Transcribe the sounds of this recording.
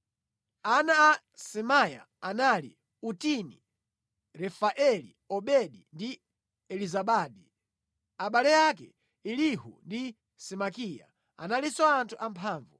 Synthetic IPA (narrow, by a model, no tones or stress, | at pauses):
anaː | sɛmaja̰ | analḭ | utini | ɾɛfaʔɛli | ɔɓɛɗindi | ɛlizaɓaːɗi | aɓalɛjakɛ̰ | ilihṵndi | sɛmakiːja̰ | a̰nalisɔantʰuʔampʰaːɱvu